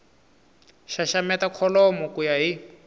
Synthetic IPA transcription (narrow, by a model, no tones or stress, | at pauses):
ʃaʃamɛtakʰɔlɔmɔkujaɦi